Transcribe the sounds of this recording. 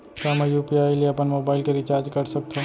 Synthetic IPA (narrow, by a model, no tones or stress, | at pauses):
samejuːpiaːilieɐpənmoːbaːɪlkeɾɪt͡ʃaːɾd͡ʒkɐɾsɐk̚t̪ʰo